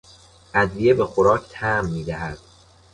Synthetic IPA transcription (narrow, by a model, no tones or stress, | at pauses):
ʔæd̪vije̞be̞xoɾɒːcʰt̪ʰæmːiːd̪æɦæd̪̥